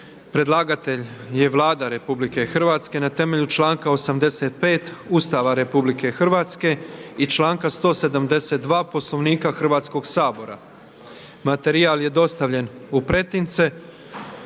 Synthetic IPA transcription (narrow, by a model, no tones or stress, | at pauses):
pɾe̞d̪lˠaːɡat̪e̞ʎje̞ʋlˠaːd̪aɾe̞publike̞xr̩ʋaːt̪ske̞nat̪e̞me̞ʎut͡ʃlˠaːŋkaosamd̪e̞set̪̚pe̞ːt̪ust̪aʋaɾe̞publike̞xr̩ʋaːt̪ske̞it͡ʃlˠaːŋkast̪o̞ːse̞d̪amd̪e̞set̪̚d̪ʋaːpo̞slo̞ʋniːkaxr̩ʋaːt̪sko̞ɡsaːbo̞ɾa̰ | mat̪e̞ɾialje̞d̪o̞st̪aʋʎe̞nupɾe̞t̪int̪se